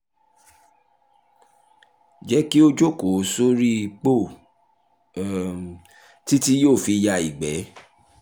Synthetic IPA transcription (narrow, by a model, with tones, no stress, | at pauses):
d͡ʒɛ˨˦ki˦o˧d͡ʒo˦˨ko˨˦so˦ɾi˦˧k͡po˦˨ | ti˦ti˦joː˦˨fi˧ja˧i˨ɡ͡bɛ˨˦